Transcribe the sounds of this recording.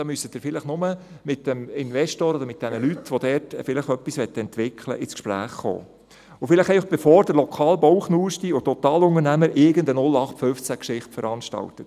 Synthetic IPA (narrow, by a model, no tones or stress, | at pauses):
d̥ɑːmysːətd̥ɪːɾfɪləχnʊmə | mɪt̚d̥ɛmɪnvɛʃtoːɾɔdəɾmɪt̚d̥ɛnəlyt̪ʋod̥̪ɛːɾtfɪləχœpːisʋɛt̪ːəɛntʋɪkʰlə̰ʔɪt͡sskʃpɾæ̰ːχːo̰ː | ʊfɪləχɛɪfɑχb̥ɛfɔːɾd̥əɾlɔkʰɑːlbɔwχnuːʃtiʊt̪ɔt̪ɑːlʊŋəɾnæməɾʔɪɡənd̪ənʊlɑχtføft͡sækʃɪχtfəɾɑnʃtɑ̰lt̪ət